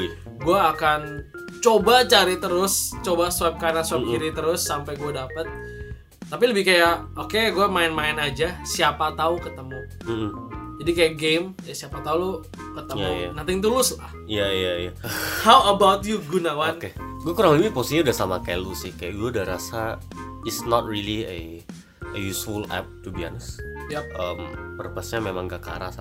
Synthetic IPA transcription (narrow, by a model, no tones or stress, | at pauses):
ɡuaːkan | t͡ʃobat͡ʃaɾit̪əɾʊst͡ʃobasuwap̚kanasuap̚kiɾit̪əɾʊsːampajɡuadapət̪̚ː | apiləbɪhkajaʔ | okeɡuamaɪnmaɪnad͡ʒasiapat̪aukət̪əmu | m̩d͡ʒadikajaɡemajasiapat̪aulu | kət̪əjmajanant̪ɪŋt̪ulʊslah | ijaijaijahawəbawt̪juɡunawankeɡuakuɾaŋləbipost̪iɲiudahsamakajalusɪhkajaʔɡuaudahɾasa | ɪsnɔt̪̚ɾiliə̰ | əjusfulɛ̰p̚t̪ubia̰nsjaʔəmpərəpasɲamemaŋɡaka̰ɾa̰sa